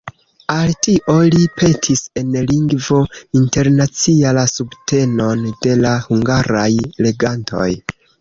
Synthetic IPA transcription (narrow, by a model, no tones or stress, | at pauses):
altiʔo̞lipʰe̞tʰise̞nliŋɡvo̞inte̞ɾnat͡sialasubte̞no̞nde̞lahuŋɡaɾajle̞ɡantʰo̞̰j